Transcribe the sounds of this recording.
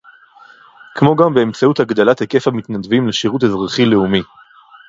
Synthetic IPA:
kmo̞ɡambe̞emt͡sauthaɡd̪alatheke̞famit̪nad̪vimleʃiʁuthezʁaχileumi

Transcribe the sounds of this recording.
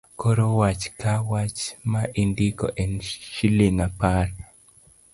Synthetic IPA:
koɾowat͡ʃkawat͡ʃmaʔindiko̰ʔɛnʃiliŋapaɾ

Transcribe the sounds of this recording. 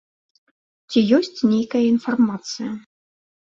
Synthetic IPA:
t͡sʲijɔsʲt͡sʲnʲejkɐjɐinfarmat̪sɨjɐ

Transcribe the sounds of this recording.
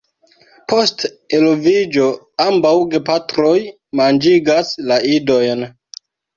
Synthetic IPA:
po̞st | elovid͡ʒo̞ | ambawɡe̞patɾo̞j | mand͡ʒiɡaslaido̞jn

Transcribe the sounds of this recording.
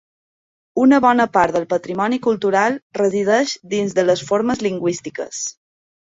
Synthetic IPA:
unəβɔnəpaɾt̪ðəlˠpət̪ɾimɔnikulˠt̪uɾalˠrəzið̞ɛʃd̪inzðələsfoɾməzliŋɡwist̪ikə̰s

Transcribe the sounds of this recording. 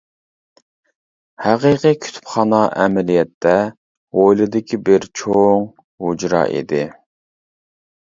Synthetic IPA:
hæqiqikʲʰy̥t̪ʰy̥pχɑːnɑʔɛmɛlijɛt̪ʰːɛ | ʁojlˠɨd̪ɪkʲʰibɪɾt͡ʃʰoŋ | hud͡ʒɾɑ̰ːʔḭd̪ɪ

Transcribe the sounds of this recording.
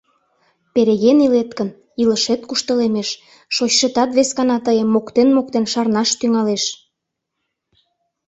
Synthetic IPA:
peɾeɣenilet̪kən | iləʃet̪̚kuʃt̪ə̆lemeʃ | ʃot͡ɕʃet̪ɑt̪βeskɑnɑt̪əjəmːokt̪enmok̚t̪enʃɑrnɑʃt̪yŋɑleʃ

